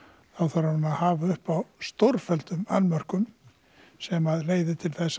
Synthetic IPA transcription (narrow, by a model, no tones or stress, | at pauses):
θawθaɾaɾanahaːvaʏhpawst̪owɾfɛlt̪ʏmanːmœr̥kʏm | sɛmaðleːjðɪt̪ʰɪlθɛsː